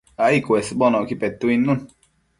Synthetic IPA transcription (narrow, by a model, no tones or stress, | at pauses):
aikuesbɔnɔkipɛt̪ːuinːun